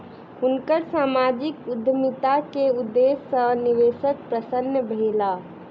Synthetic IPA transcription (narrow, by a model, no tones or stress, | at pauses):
ɦunkəɾsamad͡ʒikud̪ʱjəmit̪akeud̪ːesːəniʋesək̪̚pɾəsənːjəbʱela